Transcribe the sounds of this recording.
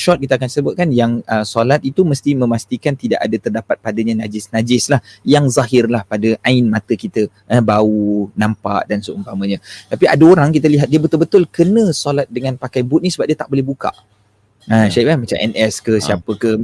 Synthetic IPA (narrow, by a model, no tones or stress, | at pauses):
ʃɔt̪̚kit̪akansəbʊt̪̚kanjaŋəsolat̪̚it̪uməst̪imə̃mast̪ikant̪idaʔa̰dat̪ərdapat̪̚padaɲãnad͡ʒɪsnad͡ʒɪslahjaŋzaɦɪrlahpadəʔaɪnmãt̪əkit̪ə | ʔəbaunãmpa̰ʔdansuʔuŋt̪amə̃ɲãt̪apia̰daoɾaŋkit̪əliɦat̪̚diəbət̪ʊlbət̪ʊlkənə̃solat̪̚dəŋãnpakajbut̪̚nisəbap̚diət̪aʔbolɛhbuka̰ʔ | əʃaiʔamat͡ʃa̰mʔɛ̰nʔɛskəsiapəkə